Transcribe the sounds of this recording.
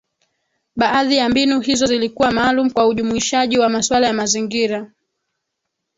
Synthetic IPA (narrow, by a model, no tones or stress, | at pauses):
ɓaʔaðijambinuhizɔzilikuwamaːlum̩kwauʄumuiʃaʄiwamaswalajamaziŋɡiɾa